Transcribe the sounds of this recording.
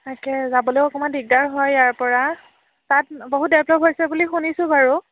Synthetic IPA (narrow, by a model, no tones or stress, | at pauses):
tʰakɛzabɔlojɔkɔmandiɡ̚daɹɦɔjaɹpɔɹa | tat̚boɦut̚dɛplɔpɦojsɛbulixunisʊ̃baɹu